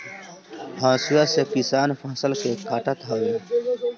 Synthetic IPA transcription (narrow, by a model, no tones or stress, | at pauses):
hãːsujasekisaːnfʰãːsəlkekaːʈət̪ɦaːwi